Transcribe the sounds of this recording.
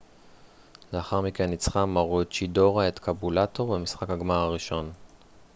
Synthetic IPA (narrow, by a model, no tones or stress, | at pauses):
leaχaʁmikenːit͡sχamaʁot͡ʃido̞ʁaet̪kʰabulato̞ʁvemisχakhaɡmaʁaʁiʃo̞n